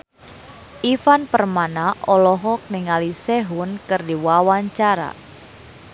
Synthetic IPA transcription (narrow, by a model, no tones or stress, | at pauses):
ʔifanpərmanaʔɔlɔɦɔk̚nɪŋalisɛɦunkɨrdiwawaɲt͡ʃaɾa̰